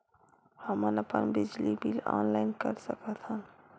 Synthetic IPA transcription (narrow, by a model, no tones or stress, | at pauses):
həmənəpə̰nbɪd͡ʒlibilɔ̰ːnlaɪnkəɾsəkət̪ʰɦən